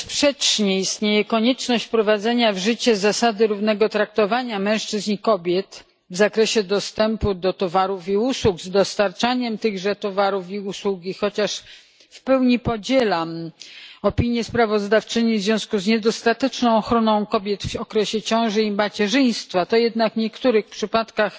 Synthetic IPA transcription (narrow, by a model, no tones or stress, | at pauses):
spʂɛt͡ʂɲɛist̪ɲejɛkɔɲɛt͡ʂnɔɕt͡ɕpɾɔvad̪zɛɲavʐɘt͡ɕɛzasad̪ɘɾuvnɛɡɔt̪ɾak̚t̪ɔvaɲamɛ̃w̃ʂt͡ʂɘzɲikɔbʲjɛt̪ | vzakɾɛɕɛd̪ɔst̪ɛmpud̪ɔt̪ɔvaɾufiuswukzd̪ɔst̪aɾt͡ʂaɲɛmt̪ɘɣʐɛt̪ɔvaɾufiuswuɡʲixɔt͡ɕaʂ | fpɛwɲipɔd͡ʑɛlam | ɔpʲiɲjɛspɾavɔzd̪aft͡ʂɘɲivzvʲjɔ̃w̃skuzɲɛd̪ɔst̪at̪ɛt͡ʂnɔ̃w̃ɔxɾɔnɔ̃w̃kɔbʲjɛt̪fɔkɾɛɕɛt͡ɕɔ̃w̃ʐɘimat͡ɕɛʐɘj̃st̪fat̪ɔjɛd̪nakɲɛkt̪uɾɘxpʂɘpat̪kax